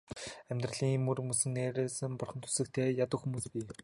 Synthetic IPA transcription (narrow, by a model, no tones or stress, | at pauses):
æmʲt̪rə̆ɮiːŋmɵrɾmusɘ̆ŋneːɾeːsɘ̆mpʊrχə̆nt̪ʰu̥sɘ̆k̚t̪ʰeːjat̪ə̆kxumuːspʲiː